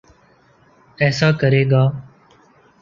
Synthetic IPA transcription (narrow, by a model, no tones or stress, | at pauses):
ɛːsaːkəɾeːɡaː